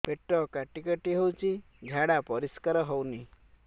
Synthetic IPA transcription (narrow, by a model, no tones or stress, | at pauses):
peʈɾɔkaʈikaʈiɦewt͡ʃʰi | ɡʱaɽapɔɾiskaɾɔɦowni